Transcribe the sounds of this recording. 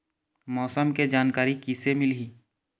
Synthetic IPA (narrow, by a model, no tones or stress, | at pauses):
mɔːsəmked͡ʒaːnkaːɾikisemɪlɦiː